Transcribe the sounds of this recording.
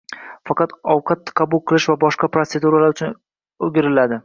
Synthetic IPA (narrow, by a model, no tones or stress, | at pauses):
fɑqɑt̪ɒwqʰɑt̪ːqʰɑbʊlˠqʰɨlˠɪʃvabɒʃqɑpɾot̪se̞d̪uɾalaɾʊt͡ʃʰʊn | oɡʲɪɾɪlad̪ɪ